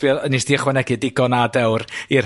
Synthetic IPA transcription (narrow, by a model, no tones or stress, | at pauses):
b̥jɔðənisd̥iːəχwɛnɛɡɨdɪɡɔnadɛwrir